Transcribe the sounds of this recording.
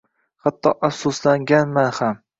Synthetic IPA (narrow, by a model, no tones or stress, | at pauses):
hat̪ʰːɒʔafsʊslaŋɡʲanmanham